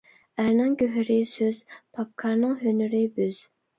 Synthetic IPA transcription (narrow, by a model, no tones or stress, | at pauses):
æɾnɪŋkʲøɦyɾɪsøz̥pʰɑp̚kʰɑɾnɨŋɦønyɾɪbøz̥